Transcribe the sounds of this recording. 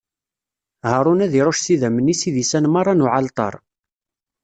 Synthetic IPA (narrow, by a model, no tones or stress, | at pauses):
həɾˤʊnæðiɾˤoʃsiðæmənisiðisænmɑɾˤɑnʊʕalt̪ˤɑ̰ɾˤ